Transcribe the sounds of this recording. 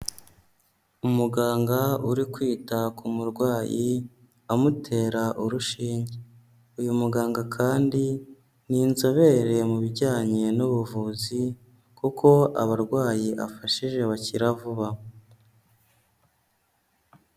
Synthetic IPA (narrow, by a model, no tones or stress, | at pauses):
umuɡaːŋɡauɾikwiːtakumuɾɡwaːji | amutʰe̞ːɾaʔuɾuʃiːɲɟe | ujumuɡaːŋɡakʰaːndi | ninzo̞βe̞ɾe̞muβiɾɟaːɲe̞nuβuvuːzi | kuko̞a̰βaɾɡwaːjiʔa̰faʃiʒe̞βaciɾavuβa